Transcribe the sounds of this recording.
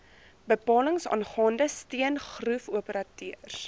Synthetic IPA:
bəpɑːləŋsɑ̰ːnχɑːndəstiənχrufuəpəɾɑtyər

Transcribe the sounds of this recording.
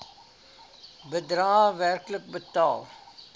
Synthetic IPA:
bəd̪ɾãːʋæɾklək̚bət̪aːl

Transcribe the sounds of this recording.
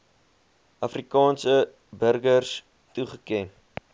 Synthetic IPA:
ʔɐfrikɑːnsə | bərɡərs | tuχəkɛn

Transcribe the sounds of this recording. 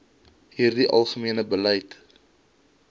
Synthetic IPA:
ɦiːrdiʔɐ̰lˠχəmiənəbəlɛjt

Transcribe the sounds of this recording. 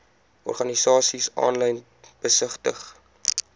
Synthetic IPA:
ɔ̰rχɐnisɑːsisɑ̰ːnlɐjn | b̥əsəχtəχ

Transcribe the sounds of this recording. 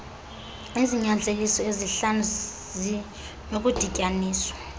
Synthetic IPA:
eziɲand͡ɮʱelisɔeziɬanu | zi | nok̬ʼud̥ʱicʼaniːswḁ

